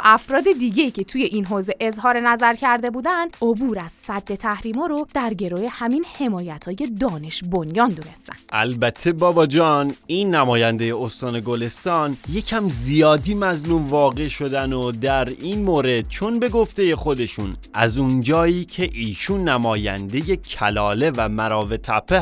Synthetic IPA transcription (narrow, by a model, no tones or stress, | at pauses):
ʔæfɾɒːd̪e̞d̪iːɟe̞iːcʰe̞t̪ʰuːje̞ʔinɦoːze̞ʔezɦɒːɾe̞næzæɾcʰæɾd̪e̞buːd̪ænd̪̥ʔobuːɾæz̥sæd̪ːe̞t̪ʰæhɾiːmɒːɾod̪̥æɾɟe̞ɾoːje̞hæmiːnhe̞mɒːjæt̪ʰhɒːje̞d̪ɒːne̞ʃbonjɒːnd̪uːne̞st̪æ̰nd̪̥ʔæ̰lbæt̪ʰːe̞bɒːbɒːd͡ʒɒːninːæmɒːjænd̪eje̞ost̪ɒːne̞ɡo̞le̞st̪ɒːnje̞cʰæmzijɒːd̪iːmæzlumvɒːɣe̞ʃo̞d̪ænod̪æɾiːnmoːɾed̪̥̚t͡ʃʰo̞nbe̞ɡo̞ft̪e̞je̞χo̞d̪e̞ʃunʔæ̰zund͡ʒɒːiːcʰe̞ʔiːʃunːæmɒːjæ̰nd̪eje̞cʰælɒːle̞væmæɾɒːve̞t̪ʰæpʰːe